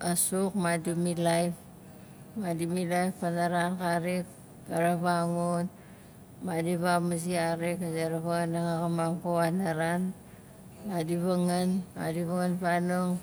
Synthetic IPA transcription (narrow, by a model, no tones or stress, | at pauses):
asuk̚madimilajp | madimilajppanaɾankaɾik | ɡaɾaβaŋun | madiβamuziaɾikzeɾaβanaŋakamaŋkoanaɾan | madiβaŋanma̰diβaŋanpanuŋ